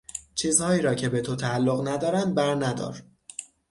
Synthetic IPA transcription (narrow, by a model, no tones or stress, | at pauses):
t͡ʃʰiːzhɒːjiːɾɒːcʰe̞be̞t̪ʰot̪ʰæːlːoɣnæd̪ɒːɾæn̚bæɾnæd̪ɒ̰ːɾ